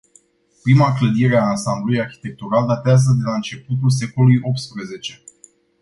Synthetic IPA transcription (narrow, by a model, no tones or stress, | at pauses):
pɾimakləd̪iɾeaːnsamblulujarçi̥t̪e̞k̚t̪uɾald̪at̪eazəd̪e̞laɨnt͡ʃe̞put̪̬uls̬e̞ko̞lujo̞p̚t̪spɾəze̞t͡ʃe̞